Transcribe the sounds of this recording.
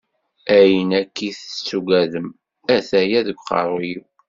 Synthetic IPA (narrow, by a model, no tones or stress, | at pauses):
æjənækːiθt͡sːuɡæðəm | æθæjæðəɡʷqɑ̰ɾˤiw